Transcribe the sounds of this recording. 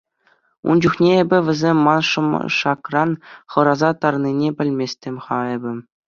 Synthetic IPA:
ṵnd͡ʑuχnʲeebʲɘ̆ʋʲɘ̆zʲemʲːɑnʂɤ̆m̰ʂɑkrɑnχɤ̆ɾɑzɑt̪ɑrninʲepʲɘ̆lʲmʲesʲtʲemʲχɑebʲɘ̆

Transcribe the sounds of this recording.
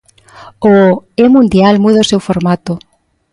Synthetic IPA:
oemũnd̪jalmuð̞aosewfoɾmat̪o

